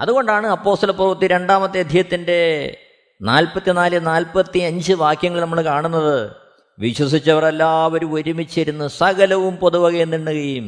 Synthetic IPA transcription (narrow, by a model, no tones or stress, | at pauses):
ɐðuɣo̞ɳɖaːɳɨɐpːo̞ːst̪ɐlɐpːurʋɐt̪ːiɾe̞ɳɖaːmɐt̪ːiɐd̪ʱijɐt̪ːinde̞ | naːlpɐt̪ːinaːlɨnaːlpɐt̪ːiɐɲd͡ʑɨʋaːkjɐŋːɐɭinɐmːɐɭkaːɳunːɐðɨ | ʋiɕwɐs̬it͡ɕːɐʋɐre̞lːaːʋoɾuoɾumit͡ɕːɐɾunːusɐɣɐlɐʋumpoðuʋɐɣɐjenːiɳːɨkɐjum